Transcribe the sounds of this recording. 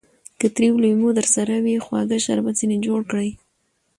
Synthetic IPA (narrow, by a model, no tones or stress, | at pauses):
kət̪ɾiwlumod̪əɾsaɾawixwɑ̰ɡaʃa̰ɾbat͡sined͡ʒoɽkɽəj